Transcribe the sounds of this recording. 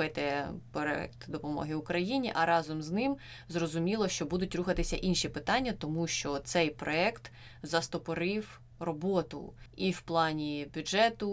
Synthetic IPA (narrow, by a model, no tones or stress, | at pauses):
ɪt̪ɛpɔɛ̰k̚t̪d̪ɔpɔmɔ̰ɦɪʊkɾɐjinʲiʔɐɾɑzɔmznɪm | zrɔzʊmʲilˠɔʃt͡ʃɔbud̪ʊtʲɾuxɐt̪ɪsʲɐʔinʃipɪt̪ɑnʲːɐt̪ɔmuʃt͡ʃɔt̪sɛjpɾɔɛkt̪ | zɐst̪ɔpɔɾɪw | rɔbɔt̪ʊ̰iwplˠɑnʲibʲʊʒɛt̪ʊ